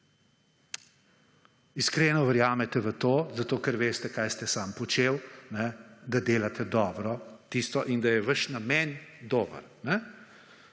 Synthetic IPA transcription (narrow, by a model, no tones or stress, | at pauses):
iskɾenɔʋəɾjaːmɛt̪ɛʋət̪oːzat̪oːkəɾʋeːst̪ɛkajst̪ɛsaːmpɔt͡ʃewnɛd̪ad̪eːlat̪ɛd̪ɔːbɾɔt̪ist̪ɔʔind̪ajɛʋəʃnamɛnd̪oːbə̰ɾnɛ